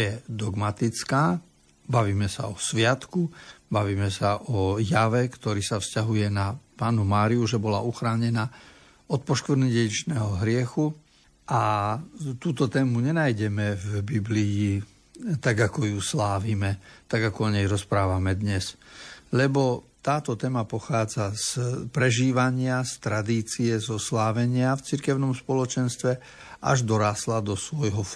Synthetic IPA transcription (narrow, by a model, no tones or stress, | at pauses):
jɛd̪ɔɡmat̪it͡skaː | baʋiːmɛsa̰ɔsʋɪat̪kubaʋiːmɛsaʔɔjaʋɛkt̪ɔɾiːsafscaɦujɛnapaːnumaːɾiuʒɛbɔla̰ʔuxɾaːɲɛnaː | ɔt̪̚pɔʃkɾniɟɛit͡ʃnɛːɦɔɦɾɪɛxu | ʔa | t̪uːt̪ɔt̪ɛːmuɲɛnajɟɛmɛvbibliji | t̪aɡakɔjuslaːʋimɛt̪aɡakɔɔɲɛjɾɔspɾaːʋamɛd̪ɲɛslɛbɔt̪aːt̪ɔt̪ɛːmapɔxaːd͡zaspɾɛʒiːʋaɲɪast̪ɾad̪iːt͡siɛzɔslaːʋɛɲɪaft͡siɾkɛʊnɔmspɔlɔt͡ʃɛnst̪ʋɛ | ʔa̰ʒd̪ɔɾaːslad̪ɔsʋɔjɦɔ